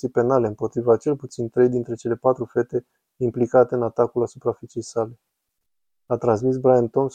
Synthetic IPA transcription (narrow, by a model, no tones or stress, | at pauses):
ijpe̞nale̞ɨmpo̞t̪ɾivat͡ʃe̞lput̪sint̪ɾe̞jd̪int̪ɾe̞t͡ʃe̞le̞pat̪ɾufe̞t̪e̞ | implikat̪e̞ɨnat̪akulasupɾafit͡ʃe̞jsale̞ | at̪ɾans̬misbɾajant̪o̞ms